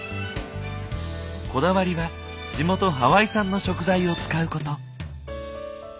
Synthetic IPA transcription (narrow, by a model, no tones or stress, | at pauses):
ko̞d̪aβaɾʲiβa | d͡ʑimo̞t̪o̞ɦaβaisãnːo̞ɕo̞kɯ̟zaio̞t͡sɨ̥kaɯ̟ko̞t̪o̞